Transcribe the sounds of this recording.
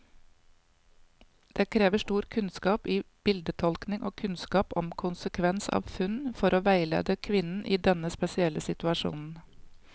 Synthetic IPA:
d̪̥eːkʰɾeːʋəʃʈuːɾkʰʉnskɑːpiːb̥ɪld̪ət̪ʰɔlknɪŋʔo̰ːkʰʉnskɑːpɔmkʰʊnsəkʰʋɛnsɑ̰ːʋfʉnfɔɾoːʋæɪlḛːd̪əkʰʋɪnn̩ʔiːd̪ɛnəspɛsɪɛləsɪt̪ʉɑʃṵːnn̩

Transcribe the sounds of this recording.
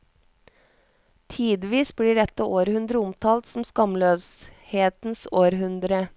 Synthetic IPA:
t̪ʰiːd̪ʋiːsbliːɖɛt̪ːəʔoːɾhʉnd̪ɾəʊmt̪ʰɑːlt̪sɔm̩skɑmløːsheːt̪n̩soːɾɦʉnd̪ɾə

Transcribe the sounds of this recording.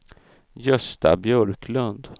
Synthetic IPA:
jœst̪a̰bjœɾkʰlɵnd̪

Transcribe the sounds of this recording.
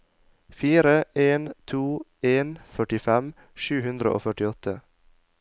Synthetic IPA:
fiːɾəʔeːnt̪ʰuːeːnfœʈɪfɛm | ʃʉːhʉnd̪ɾə̰ʔo̰ːfœʈɪɔt̪ʰə

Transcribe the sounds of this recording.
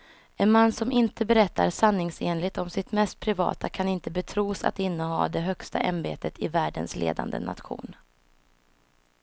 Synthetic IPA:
ɛnmanːsɔmɪnt̪əbɛɾɛt̪ːaɾsanːɪŋseːnlɪɡ̚t̪ɔmsɪt̪mɛst̪̚pʰɾɪvɑ̰ːt̪akʰanɪnt̪əbɛt̪ʰɾuːsa̰t̪ɪnːəɦɑ̰ːd̪ɛɦœkst̪a̰ʔambeːt̪ʰət̪ʰɪvæːɖə̰nslʔḛːd̪a̰nd̪ə̰na̰t̪ɧṵːn

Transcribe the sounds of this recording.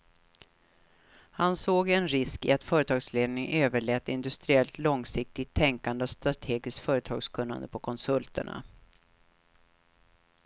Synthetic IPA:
hansoːɡɛnɾɪskɪ̰at̪fœːɾət̪ʰɑːɡsleːd̪nɪŋʔøːvəɭɛːt̪ɪnd̪ɵst̪ɾɪɛlt̪lɔŋsɪk̚t̪ɪt̪ʰːɛŋkand̪əɔst̪ɾat̪ʰeːɡɪsk̪fœːɾət̪ʰɑ̰ːɡskʰɵnːa̰nd̪ə̰pʰɔkʰɔnsɵlt̪ə̰ɳa̰

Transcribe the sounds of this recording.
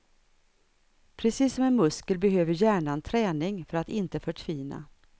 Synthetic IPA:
pʰɾɛsiːsːɔmɛnmɵskəlbɛɦøːvəɾjæːɳant̪ʰɾɛːnɪŋfœɾat̪ɪnt̪əfœʈʰviːna̰

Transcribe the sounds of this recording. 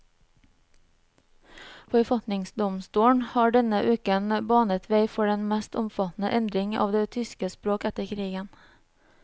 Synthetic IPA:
fɔɾfɑt̪nɪŋsd̪ɔmst̪uːɳhɑːɖɛnəʔʉːkənbɑːnət̪ʰʋeɪfɔɖɛnmæst̪ʊmfɑt̪n̩ə̰ʔɛnd̪ɾɪŋɑ̰ːʋd̪eːt̪ʰʏskəspɾoːkæt̪əkʰɾiːɡən

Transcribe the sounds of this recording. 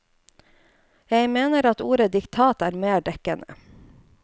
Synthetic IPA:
jæɪmeːnəɾɑt̪uːɾəd̪ɪkt̪ʰɑːt̪æːɾmeːɖɛkənə̰

